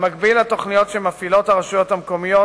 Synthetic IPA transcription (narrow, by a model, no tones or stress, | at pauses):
maɡbilat̪o̞χnijo̞tʃemafilo̞t̪haʁaʃujo̞t̪hamko̞mijo